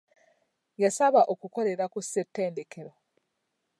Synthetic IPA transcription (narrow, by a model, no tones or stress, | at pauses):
jasaβaʔokuko̞le̞ɾakusetːe̞ːnde̞kʰe̞ɾo